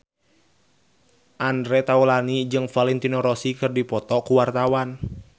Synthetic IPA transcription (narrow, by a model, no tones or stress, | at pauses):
ʔandɾɛt̪aulanid͡ʒɨŋfalɛnt̪inɔɾɔsikɨrdipɔt̪ɔkuwart̪awan